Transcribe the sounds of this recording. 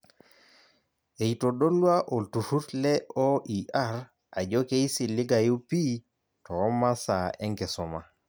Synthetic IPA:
e˨i˨to˨ɗo˦lwa˦ʔo˨ltu˨hu˦tlɛ˦ɔ˦i˨ʔa˦ɾ | a̰˨d͡ʒɔ˦ke˦i˦si˨lɪ˦ɡa˨ju˦pi˦ | tɔː˨˦ma˦sa˨ɛ˦ŋɡɛ˨sɔ˨ma˨

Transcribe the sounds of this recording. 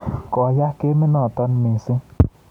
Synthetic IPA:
kɔ˨ja˦ke˦mɪ˦nɔ̃˨t̪ɔ˦n˦me˨sɪ˦

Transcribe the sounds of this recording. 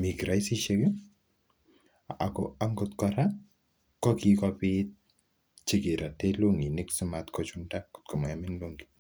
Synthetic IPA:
mi˨kɾa˨isi˦ʃeke˦ | a̰˨kɔa˦ŋɡɔt̪kɔɾa˦ | kɔ˦kikɔpit̪̚ | t͡ʃi˦kɪ˨ɾa˨te˦lo˦ŋi˨nɪ˦ksumat̪kɔt͡ʃunda˦kʊ̥˨t̚kɔ˨ma˨amɪ˦nlo˦ŋɡi̥

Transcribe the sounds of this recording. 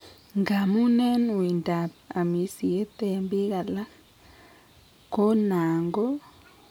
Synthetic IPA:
ŋɡa˨mu˦nɛ˦nwi˨nda˨pa˨mi˨si˨e˦te˨mbi˦ka˨la˦ | ko˦na˨ŋɡɔ˦

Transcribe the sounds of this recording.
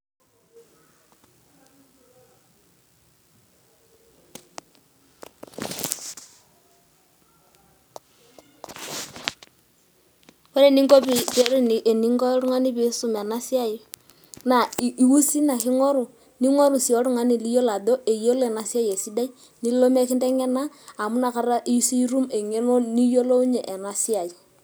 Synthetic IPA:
kɔ˦ɾe˦˨ni˦ŋɡɔ˦pi˨te˦ɾu˦ni˨ʔe˨ni˦ŋɡɔ˦ɾu˦ŋa˦ni˦bi˨˦su˦˨mɛ˨na˦sɪ˦a˦˨ji˨ | na˨i˦wu˦si˦na˨kɪ˦ŋo˦ɾu˨ | ni˦ŋo˦ɾu˨si˨o˦ɾu˦ŋa˦ni˨li˦jo˦la˨do˦ʔe˨jo˦le˨na˨si˦a˦je˨si˦da˦i˦ | ni˦lo˦me˦kɪ˦nde˦ŋɛ˦naː˦˨ | mu˦na˨ka˨˦ɾa˦ʔi˦si˦i˦ɾu˦me˨ŋe˦no˦ni˦jo˦lo˦u˦ɲe˨ʔe˨na˨si˦a˨i˨

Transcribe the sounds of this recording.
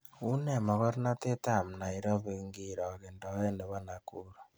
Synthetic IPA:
u˦ne˦˨mɔ˨ɣɔ˦ɾna˦te˦ta˦˨m̩˨na˨i˨ɾɔ˦βe˦ŋɡi˦ɾɔ˨ɣe˨ndɔ˨˦e˦nde˨βa˦na˨ku˦ɾa˨

